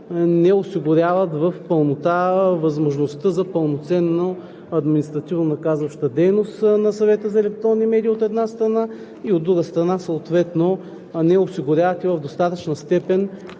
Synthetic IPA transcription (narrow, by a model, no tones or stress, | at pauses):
nɛosiɡʊɾʲjavət̪vəfpəlˠnot̪avɐzmoʒnost̪əzɐpəlˠnot̪sɛnːo | ɐd̪minist̪ɾɐt̪ivnonɐkazvɐʃt̪əd̪ɛjnost̪nɐsɐvɛt̪əzɐɛlɛk̚t̪ɾonːimɛd̪iot̪ɛd̪nast̪ɾɐna | iod̪ːɾuɡəst̪ɾɐnasoːt̪vɛt̪no | nɛosiɡʊɾʲjavɐt̪ivɐvd̪ost̪at̪ət͡ʃnəst̪ɛpɛn